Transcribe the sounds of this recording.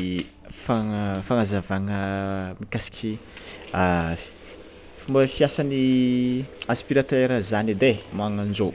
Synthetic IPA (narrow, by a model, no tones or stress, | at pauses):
faŋəfaŋazavaŋəmikasi̥kʰʲia | fumbəfiasani | aspiɾat̪eɾəzanid̪emaŋand͡ʒo